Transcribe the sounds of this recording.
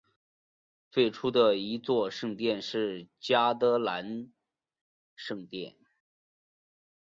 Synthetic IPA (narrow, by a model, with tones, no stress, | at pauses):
fe˥˩ɪʈ͡ʂʰu˥d̪ə˨i˧˥t͡swɔ˥˧ʂɤ˥˧ŋt̪jɛ˥˧nʂɻ̩˥˩t͡ɕja˥t̪ɤ˧˥la˧˥n | ʂɤ˥˧ŋt̪jɛ̰˥˩n